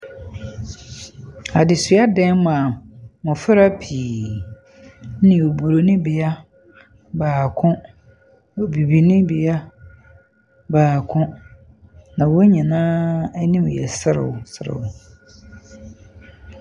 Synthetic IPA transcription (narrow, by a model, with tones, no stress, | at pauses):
a˨dɪ˨sʊ˨˦a˦dɛ̃˦nmã˨mʊ̃˨fɪ˦ɾa˦pʰi˨˦ | nɪ̃˨o˨bu˨ɾo˨nɪ̃˦bɪ˨a˦ | baː˨kʰʊ̃˦ | o˨bi˨bi˨nɪ̃˦bɪ˨a˦ | baː˨kʰʊ̃˦ | nã˨wo˦ɲĩ˨nãː˦ɛ˦nĩ˦m˨jɛ̰˨sɪ˦ɾɪ̰˨wʊ˨sɪ˨ɾɪ̰˨wʊ˨